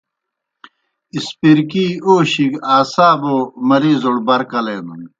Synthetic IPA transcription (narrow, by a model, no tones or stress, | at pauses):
ispiɾkiːoːɕiɡaːsaːboːmɐɾiːzoɽbɐɾkɐlenun